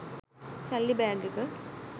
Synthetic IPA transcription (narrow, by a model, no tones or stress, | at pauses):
sɐlːibaːŋɡɯkːɯ